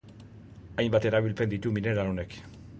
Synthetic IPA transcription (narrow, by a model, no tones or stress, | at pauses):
ajmbat̪e̞ɾaβilpe̞nd̪it̪umine̞ɾaone̞k